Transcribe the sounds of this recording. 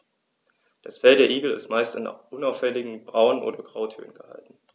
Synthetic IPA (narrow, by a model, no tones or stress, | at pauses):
d̥asfɛldeːɐʔiːɡl̩ɪ̰stmaɪstanʔʊnaʊfɛlɪɡŋ̩bʁaʊnʔo̰ːdɐɡʁaʊtʰø̰ːənɡ̥əha̰ltn̩